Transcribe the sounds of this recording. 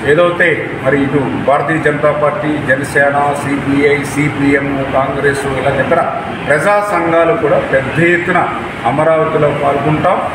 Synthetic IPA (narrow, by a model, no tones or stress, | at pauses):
e̞ːd̪ɐwt̪e̞ː | mɐɾiːʈu | bʱaːɾɐt̪iːjɐd͡ʒɐnt̪aːpaːɾʈːiːd͡ʒɛnɐsɛːnɐsiːbiːɐjsiːbiːemukaːŋɡɾeːsuilaːt͡ʃɐnd̪ɐɾaː | pɾɐd͡ʒaːsɐŋɡaːlukuːɽaːpɛd̪ʱːɐjet̪ːunɐ | ɐmɐɾaːʋɐt̪iloːpaːlkuɳʈaːm